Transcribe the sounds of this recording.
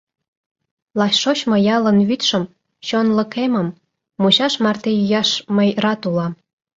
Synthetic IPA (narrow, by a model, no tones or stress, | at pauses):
lɑɕʃot͡ɕmŏjɑlə̆nβyt̪ʃə̆m | t͡ɕonlə̆kemə̆mː | uɕɑʃmɑrt̪ejyjɑʃməjrɑt̪ulɑm